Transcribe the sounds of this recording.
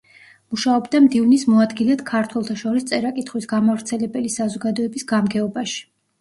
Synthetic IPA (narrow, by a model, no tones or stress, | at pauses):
muʃaɔbd̪amd̪ivnismɔad̪ɡilɛt̪kʰaɾt̪ʰwɛlˠt̪ʰaʃɔɾist̪sʼɛɾakʼit̪χwisɡamavɾt̪sʰɛlɛbɛlisazɔɡad̪ɔɛbisɡamɡɛɔbaʃi̥